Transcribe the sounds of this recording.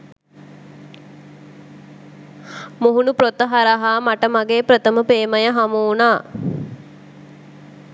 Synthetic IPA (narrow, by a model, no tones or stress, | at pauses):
muɦunupɾot̪əɦaɾaɦaːmaʈəmaɡeːpɾət̪əməpeːməjəɦamuunaː